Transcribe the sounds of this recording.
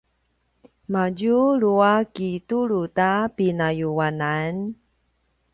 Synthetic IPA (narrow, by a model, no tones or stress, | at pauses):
maɟuɭuakituɾutapinajuanan